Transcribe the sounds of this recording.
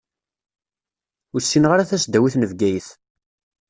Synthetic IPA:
ʊɾsːinʁaɾaθæsd̪æwiθnəvɡæjəθ

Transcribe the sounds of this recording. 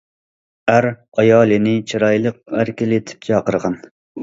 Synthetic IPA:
æɾ | ɑjɑːlˠɨnɪt͡ʃʰiɾɑjlˠəq̚æɾkʲɪlet̪ʰɪ̥p̚kʲʰɑqəɾʁɑn

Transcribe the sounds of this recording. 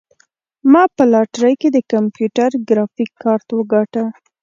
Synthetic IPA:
mɑpəlɑʈɾəjked̪əkampjuʈaɾɡɾɑfikʰːɑɾt̪wəɡɑʈa

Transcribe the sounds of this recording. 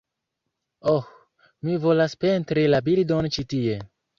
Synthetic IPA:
ox | mivo̞laspe̞ntɾilabildont͡ʃitie̞

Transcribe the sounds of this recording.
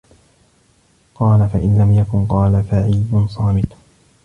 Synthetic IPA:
qɑːlafaʔɪnlamjakʊnqɑːlafaʕiːdʊnsˤɑːmɪt̪

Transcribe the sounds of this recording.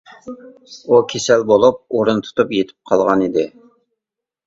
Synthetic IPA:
ukʲʰesɛlbolˠup̚oɾunt̪ʰu̥t̪ʰupjet̪ʰɪ̥p̚qʰɑlˠʁɑnid̪ɪ

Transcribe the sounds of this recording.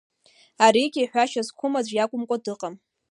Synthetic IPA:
aɾiɡʲiħʷᶣaʃazkʷʰʊmad͡ʒʷjakʷʼʊmkʷʼadɨqʼam

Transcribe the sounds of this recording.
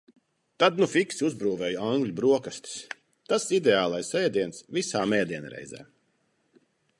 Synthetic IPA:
t̪ad̪nufiksuzbɾuːvɛːjaŋɡlʎʲubɾuɔkast̪i̥s | t̪asid̪ɛaːlˠajsɛjd̪iɛnsvisaːmɛːd̪iɛn̰ɾɛ̰jzɛ̰ː

